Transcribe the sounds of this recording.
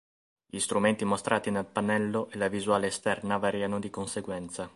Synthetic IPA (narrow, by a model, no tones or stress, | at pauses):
ʎist̪ɾument̪imost̪ɾʔaːt̪inelpanɛlːoʔelavizuaːleːst̪ɛrnavaɾiːanod̪ikonseɡwɛnt̪sa